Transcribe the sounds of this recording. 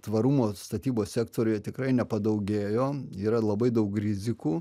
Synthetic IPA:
t̪ʋɐɾumoːst̪ɐt̪ʲiːboːssʲæːkt̪oːɾʲʊjɛt̪ʲɪkɾɐɪnʲɛpɐd̪ɐʊɡʲeːjoːiːɾɐlˠɐbɐɪd̪ɐʊkɾʲɪzʲɪkuː

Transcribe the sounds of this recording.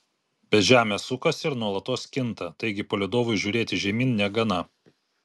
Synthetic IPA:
bʲɛt̪ʒʲæːmʲeːsʊkɐsɪɾnuɔlˠɐt̪oːskʲɪnt̪ɐt̪ɐɪɡʲɪpoːlʲɪd̪oːʋʊɪʒʲuːɾʲeːt̪ʲɪʒʲɛmʲiːnnʲɛɡɐnɐ

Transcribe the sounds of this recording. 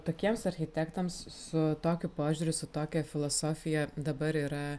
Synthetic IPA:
t̪oːkʲiɛmsɐɾʲxʲɪt̪ʲækt̪ɐmssʊt̪oːkʲʊpoːʒʲʊːɾʲʊsʊt̪oːkʲɛfʲɪlˠoːsoːfʲɪjɛd̪ɐbɐɾiːɾɐ

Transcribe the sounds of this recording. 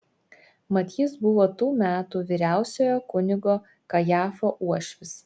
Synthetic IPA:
mɐt̪ʲiːsbʊʋoːt̪uːmʲæːt̪uːʋʲiːɾʲæˑʊsʲoːjoːkʊnʲɪɡoː | kɐjæːfoːʔuɔʃʲʋʲɪs

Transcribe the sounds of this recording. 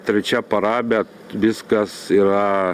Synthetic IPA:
t̪ʲɾʲɛt͡ʃʲɛpɐɾɑːbʲɛ | ʋʲɪskɐsiːɾɐ

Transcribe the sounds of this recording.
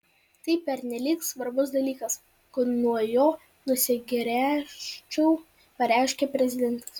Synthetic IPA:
t̪ɐɪpʲɛɾʲnʲɛlʲiːksʋɐɾbʊs̬d̪ɐlʲiːkɐs | kʊnuɔjoː | nʊsʲɪɡʲɾʲæːʃt͡ʃʲɛʊ | pɐɾʲæˑɪʃʲkʲeːpʲɾʲɛzʲɪd̪ʲɛnt̪ɐ̥s

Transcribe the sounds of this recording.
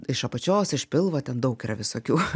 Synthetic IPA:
ɪʃɐpɐt͡ʃʲoːsɪʃpʲɪlˠʋɐt̪ʲɛnd̪ɐʊkɪrɐʋʲɪsoːkʲuː

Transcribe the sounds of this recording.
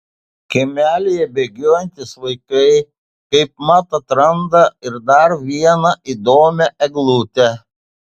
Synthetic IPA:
kʲɛmʲæːlʲɪjɛbʲeɡʲoːjɛnʲt̪ʲɪsʋɐɪkɐɪ | kɐɪp̚mɑt̪ɐt̪ɾɐnd̪ɐɪɾd̪ɐɾʋʲiɛnɐʔid̪oːmʲɛʔɛɡlˠuːt̪ʲɛ

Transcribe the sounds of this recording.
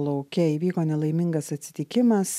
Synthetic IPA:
lˠɐʊkʲɛiːʋʲiːkoːnʲɛlˠɐɪmʲɪŋɡɐsɐt̪ʲsʲɪ̥t̪ʲɪkʲɪmɐs

